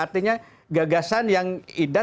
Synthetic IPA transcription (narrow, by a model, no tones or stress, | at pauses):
art̪iɲa | ɡaɡasanjaŋida